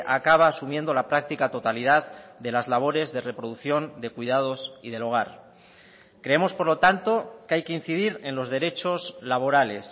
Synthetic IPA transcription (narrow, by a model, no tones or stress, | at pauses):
ʔakaβ̞aːsumje̞nd̪o̞lapɾak̚t̪ikat̪o̞t̪alið̞aððe̞lazlaβ̞o̞ɾe̞zðe̞re̞pɾo̞ðuθjo̞nd̪e̞kwujð̞að̞o̞sið̞e̞lo̞ɣ̞aɾ | kɾe̞emo̞spo̞ɾlo̞t̪ant̪o̞keajke̞in̟θiðiɾe̞nlo̞zðe̞ɾe̞t͡ʃo̞zlaβ̞o̞ɾale̞s